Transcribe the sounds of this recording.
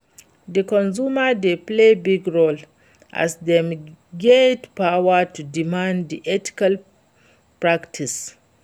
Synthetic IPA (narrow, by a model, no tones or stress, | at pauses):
d̪əkɔ̃nzumadeplebiɡɹol | ʔa̰sdɛ̃mɡedpawatudimãndd̪iʔɛti̥kal | pɹaktʰis